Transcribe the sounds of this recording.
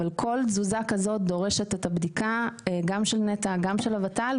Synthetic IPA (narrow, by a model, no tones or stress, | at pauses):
alkʰo̞lzuzakazo̞t̚d̪o̞ʁe̞ʃe̞tetabd̪ikaɡamʃelnetaɡamʃelavatal